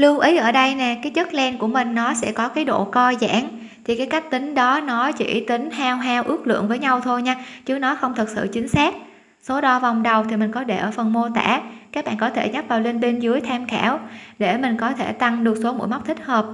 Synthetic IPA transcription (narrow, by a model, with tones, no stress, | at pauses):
lɨ˧əwʔi˨˦jʔəː˧˩ɗə˧jnɛ˨˩kaː˨˦jt͡ɕə˦˥t̚lɛ˧nku˧˩əmï˨˩ŋ̟nɔ˨˦sɛ̰˧˥kɔ˨˦kaː˨˦jɗo̰˧˨kɔ˧za̰ː˧˩n | t̪ʰi˨˩kaː˨˦jka˦˥jk̚t̪ï˨˦ŋ̟ɗɔ˨˦nɔ˨˦t͡ɕḭ˧˩t̪ï˨˦ŋ̟hɛ˧wɦɛ˧wʔɨ˦˥ək̚lɨ̰˧˨ənvəː˨˦jɲa˧wt̪ʰo˧jɲaː˧t͡ɕɨ˨˦˥ənɔ˨˦xə˧wŋ͡mt̪ʰɨ˨˩k̚sɨ̰˧˨t͡ɕï˨˦ŋ̟saː˦˥k̚ | so˨˦ɗɔ˧va˨˩wŋ͡mɗə˨˩wt̪ʰi˨˩mï˨˩ŋ̟kɔ˨˦ɗe˧˩ʔəː˧˩fə˨˩nmo˧t̪a̰ː˧˩kaː˦˥k̚ɓa̰ː˧˨nkɔ˨˦t̪ʰe˧˩ɲa˦˥t̚vaː˨˩wle˧nɓe˧nzɨ˨˦əjt̪ʰɛ˧mkɛː˧˩wɗe˧˩mï˨˩ŋ̟kɔ˨˦t̪ʰe˧˩t̪a˧ŋɗɨ˨˩ək̚so˨˦mṵ˧˥˨jma˦˥k͡p̚t̪ʰï˦˥k̟̚həː˨˩p̚